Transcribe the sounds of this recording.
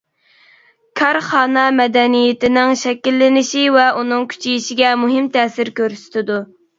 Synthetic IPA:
kʲʰɑɾχɑːnɛmɛd̪ɛnijet̪ɪnɪŋʃɛkʲilːɪnɪʃivɛʔunɨŋkʲʰy̥t͡ʃʰejiʃiɡʲɛmuɦɪmt̪ʰɛːsɪɾkʲøɾsy̥t̪ʰɪd̪u

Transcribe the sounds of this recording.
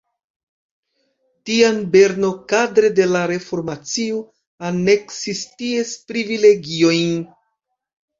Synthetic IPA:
tianbe̞ɾno̞kadɾe̞de̞laɾe̞fo̞ɾmat͡sio | ane̞ksistiespɾivile̞ɡio̞jn

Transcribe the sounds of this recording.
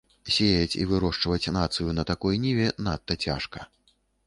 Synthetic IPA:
sʲejɐt͡sʲḭvɨɾɔʂt͡ʂvɐt͡sʲnat̪sɨjunɐt̪akɔjnʲivʲɛnat̪ːɐt͡sʲa̰ʂkɐ

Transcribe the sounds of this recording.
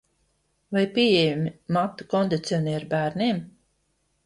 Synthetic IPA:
vajpʲiɛjɛjumʲimat̪ːukɔnd̪it̪siɔniɛɾbæːɾnim

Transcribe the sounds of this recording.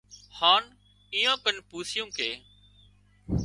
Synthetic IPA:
haːn | iːjãːkənpuːsɪjũːkeː

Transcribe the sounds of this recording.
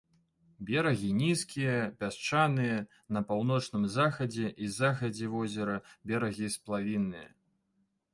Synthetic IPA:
bʲɛɾɐɣʲinʲiskʲijɐpʲast͡ʂanɨjɐ | nɐpawnɔt͡ʂnɨmzaxɐd͡zʲɛʔizaxɐd͡zʲɛvɔzʲɛɾɐbʲɛɾɐɣʲisplˠavʲinːɨjɐ̰

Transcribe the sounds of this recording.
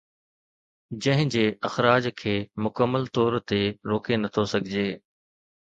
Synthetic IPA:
d͡ʑɐ̃ɦɪ̃d͡ʑeːʔɐxɾaːd͡ʑkʰeːmʊkəmːəlt̪ɔːɾt̪eɾoːkenɐt̪ʰosɐɡʱɪd͡ʑeː

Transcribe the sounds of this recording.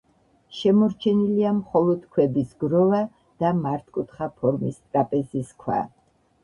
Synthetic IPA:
ʃɛmɔɾt͡ʃʰɛniliamχɔlˠɔd̪̥kʰwɛbisɡɾɔva | d̪̥amaɾt̪ʰkʼut̪ʰχapʰɔɾmist̪ʼɾapʼɛziskʰwa̰

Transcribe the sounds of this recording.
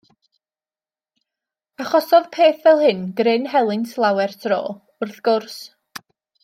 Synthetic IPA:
aχɔsɔðpʰeːθvɛlˠhɨnɡɾɪnɦɛlˠɪntʰlˠawɛrtʰro̰ː | ʊrθɡ̥ʊrs

